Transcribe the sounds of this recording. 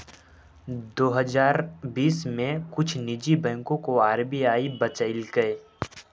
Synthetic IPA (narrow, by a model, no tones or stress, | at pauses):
d̪oːɦəzaːɾbiːsmẽkʊt͡ʃʰnɪd͡ʒibɛ̃ːŋkõkoaːɾbiaːibɐt͡ʃəɪlɡəe